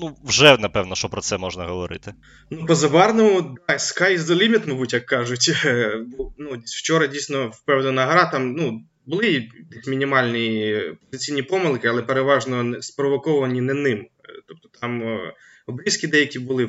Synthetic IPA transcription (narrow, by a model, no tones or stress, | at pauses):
nuʋʒɛnɐpɛwnɔʃt͡ʃɔpɾɔt̪sɛmɔʒnɐɦɔʋɔɾɪ̰t̪ɪ | nupɔzɐbɑrnʊmʊd̪ɑskɑjzɔlʲimʲɪt̪mɐbutʲjɐkːɑʒʊtʲbunuwt͡ʃɔɾɐdʲijsʲnɔwpɛwd̪ɐnɐɦɾɑt̪ɑmnu | bʊlˠɪit̪ɪxmʲinʲimɑlʲnɪjipɔzɪt͡sʲijnʲipɔmɪlˠkɪɐlˠɛpeɾeʋɑʒnɔnɛspɾɔʋɔkɔʋɐnʲinɛnɪmt̪ɔp̚t̪ɔ̥t̪ɑm | ɔbɾʲiskʲid̪ɛjɐkʲibʊlˠɪ